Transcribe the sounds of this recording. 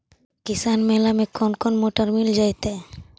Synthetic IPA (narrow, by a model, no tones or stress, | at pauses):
kisanmelamekɔnkɔnmoʈəɾmild͡ʒajt̪a